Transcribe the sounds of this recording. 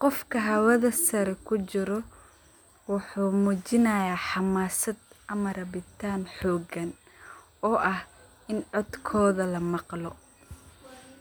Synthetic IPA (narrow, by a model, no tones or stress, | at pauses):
qɔfkʰɐɦɐwɐðɐsɐɾɛkʰʊt͡ʃɪɾɔ | wʊħuːmut͡ʃɪnɐjaːħɑmaːsɐd̪ʔɐmɐɾɐβɪt̪ʰaːnħɔːɡɐn | ɔːʔɐh | ɪnʕɔd̪kʰɔːðɐlɐmɑqlɔ